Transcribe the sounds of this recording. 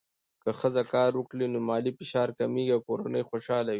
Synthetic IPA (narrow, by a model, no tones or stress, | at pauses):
kəxəzakɑːɾwʊklinomɑːlifɪʃɑːɾkamiːɡawkoɾanəjxoʃɑlawi